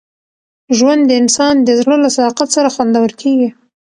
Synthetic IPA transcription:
ʒwand̪ːəɪnsɑnd̪əzɽəlasad̪ɑqat̪saɾaxwand̪awəlkʰeɡi

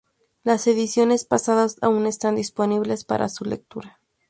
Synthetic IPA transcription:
lase̞ðisjo̞ne̞spasaðasaune̞st̪and̪ispo̞niβle̞spa̰ɾʔa̰sule̞̰k̚t̪uɾa

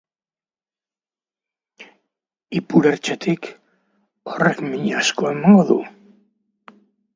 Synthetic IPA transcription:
ipuɾeɾt͡ʃet̪ik | orekmiɲasko̞e̞maŋɡo̞ðṵ

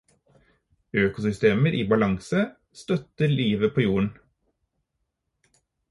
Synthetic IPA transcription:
øːkʊsʏst̪eːməɾʔiːbɑlɑŋsə | st̪œt̪əɾliːʋəpʰoːjuːəɳ̩

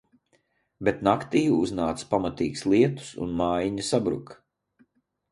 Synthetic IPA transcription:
bet̪nakt̪iːjuuznaːt̪spamat̪iːɡslˠiɛt̪u̥sṵnmaːjiɲusabɾṵk

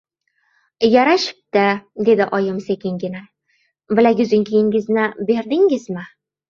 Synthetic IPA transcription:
jaɾaʃɪ̥p̚t̪ad̪e̞d̪ɪʔɒjɪmsekʲɪŋɡʲɪna | bɪlaɡʲʊzɪŋkʲʰejɪŋɡʲɪznɪbe̞ɾd̪ɪŋɪzmɪ

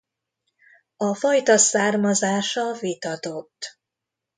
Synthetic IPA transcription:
ɒfɒjt̪ɒsaːrmɒzaːʃɒvit̪ɒt̪o̞t̪ː

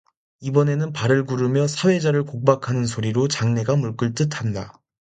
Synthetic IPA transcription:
ibʌne̞nɯnpaɾɯɭɡuɾɯmjʌsʰawe̞d͡ʑaɾɯɭkok̚p͈akʰanɯnsʰoɾiɾot͡ɕaŋne̞ɡamuɭk͈ɯɭt͈ɯtʰanda

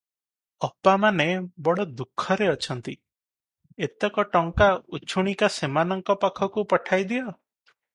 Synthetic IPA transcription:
ɔpːamanebɔɽɔd̪ukʰːɔɾeɔt͡ʃʰɔnt̪i | et̪ɔkɔʈɔŋkaut͡ʃʰuɽ̃ikasemanɔŋkɔpakʰɔkupɔʈʰajd̪ijɔ

